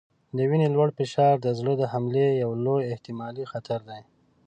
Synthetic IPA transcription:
d̪əwinelwaɽfɪʃɑɾd̪əzɽəd̪əhamlejawlojɪht̪ɪmɑlixat̪ʰaɾd̪aj

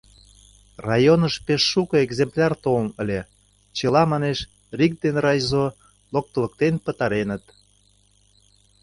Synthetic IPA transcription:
rɑjonəʃpeʃːukəeɡzemplʲɑrt̪olənəlʲe | t͡ɕelɑmɑneʃ | rik̚d̪enrɑjzo | lok̚t̪ə̆lək̚t̪enpət̪ɑɾenət̪

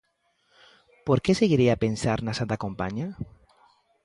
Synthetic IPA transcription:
poɾkeseɣiɾiapensaɾnasant̪akõmpa̰ɲa

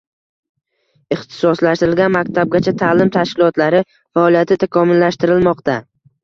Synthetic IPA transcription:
ɪχt̪ʰɪ̥sɒslaʃt̪ɪɾɪlɡʲanmakʲt̪ʰab̚ɡʲat͡ʃʰat̪ʰaːlɪmt̪ʰaʃkʲɪlˠɒt̪laɾɪ | faɒlˠijat̪ʰɪt̪ʰakʰɒmʊlːaʃt̪ɪɾɪlmɒqt̪a

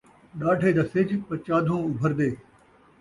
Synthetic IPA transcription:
ɗaːɖʱeːd̪aːsed͡ʒpət͡ʃaːd̪ʱõːʊbʱəɾd̪eː

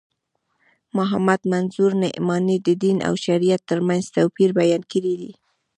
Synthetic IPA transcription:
mʊɦamad̪manzuɾnɪ̰ʔmɑnid̪əd̪inʔa̰wʃaɾijat̪ːəɾmanzt̪awpiɾbajɑnkəɾid̪i

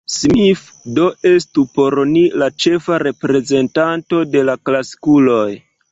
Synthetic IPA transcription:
smif | do̞e̞stupo̞ɾnilat͡ʃe̞faɾe̞pɾe̞ze̞ntanto̞de̞laklasi̥kulo̞j

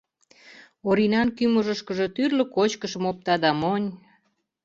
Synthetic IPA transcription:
oɾinɑnkyməʒəʃkə̆ʒe̽t̪yrlə̆kot͡ɕkəʃə̆mop̚t̪ɑd̪ɑmonʲ

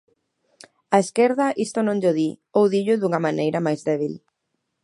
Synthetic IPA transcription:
aeskeɾðɐʔist̪ʊnõŋʎoðiowðiʎʊðuŋɐmanejɾɐmajzðɛβ̞il

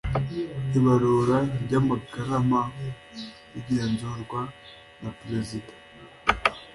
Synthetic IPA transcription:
iβaɾuːɾaɾɟamaɡaɾama | iɟeːnzuɾɡwa | napɾezidḁ

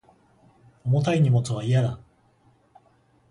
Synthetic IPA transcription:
omo̞t̪aiɲ̟imo̞t͡sɨβ̞aijad̪a

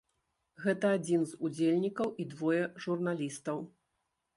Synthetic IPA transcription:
ɣɛt̪ɐad͡zʲinzud͡zʲelʲnʲikɐwʔid̪vɔjɐʐurnalʲist̪ɐw

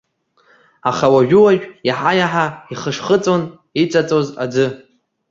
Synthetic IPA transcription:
aχawaʒᶣʊwaʒᶣjaħajaħaiχəʂχət͡sʼon | it͡sʼat͡sʼoza̰d͡zɨ

